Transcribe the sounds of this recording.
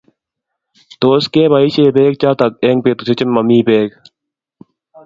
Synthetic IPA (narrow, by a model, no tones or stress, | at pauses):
t̪oːskẽːbaiɕeːbeːk̚t͡ɕaːt̪ɐk̚eŋ̚peːt̪usʰet͡ɕemːɐmiːbeːk